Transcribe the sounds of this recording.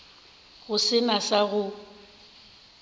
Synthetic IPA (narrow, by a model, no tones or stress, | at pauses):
ɣʊsɪnasaɣʊ